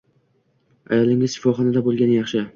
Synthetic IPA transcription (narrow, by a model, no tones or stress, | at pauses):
a̰jɒlˠɪŋɪz̥ʃɪ̥fɒχɒnad̪abolˠɡʲanjɑχʃɪ